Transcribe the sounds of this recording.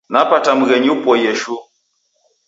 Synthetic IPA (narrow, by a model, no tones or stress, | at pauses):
napatam̩ɣɛɲupwɔjɛʃu